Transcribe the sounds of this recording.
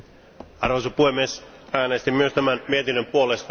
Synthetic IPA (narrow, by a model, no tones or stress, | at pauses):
ɑrʋosopuhemːies | æːnest̪imyøst̪æmænmiet̪inːømpuo̞lest̪